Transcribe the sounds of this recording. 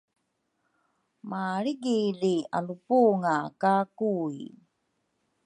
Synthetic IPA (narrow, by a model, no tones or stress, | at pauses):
maɾiɡilia̰lupuːŋakakui